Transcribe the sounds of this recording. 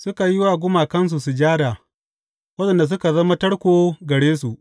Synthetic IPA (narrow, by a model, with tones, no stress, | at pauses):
sʊ˦ka˨jɪ˦waː˨ɡʷʊ˦maː˨kɐ˦ns̬u˨su˨d͡ʒaː˦da˨ | wɐ˦ɗɛ˨nda˨s̬ʊ˦ka˨zɐ˦ma˦tɐ˦ɽkʷoː˨ɡɐ˨ɽeː˦s̬u˨ʔ